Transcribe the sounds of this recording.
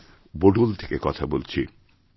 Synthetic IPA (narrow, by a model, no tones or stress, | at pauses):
boɖult̪ʰekekɔt̪ʰabolt͡ɕʰi